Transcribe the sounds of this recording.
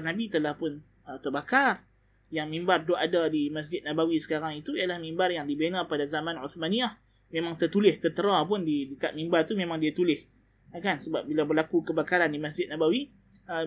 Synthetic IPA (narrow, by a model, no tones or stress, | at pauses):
nabit̪əlahpʊn | ət̪ərbakar | jaŋmĩmbarduʔadadimas̬d͡ʒɪt̪̚nabawisə̥kaɾaŋit̪uijalahmimbarjaŋdibenapadazamãnuθmaniah | mẽmãŋt̪ərt̪ulɪht̪ərt̪əɾap̬ʊndidəkat̪̚mĩmbart̪umẽmãŋdiat̪ulɪh | kansəbap̚bilabərlakukəbakaɾandimas̬d͡ʒɪt̪̚nabawi | ə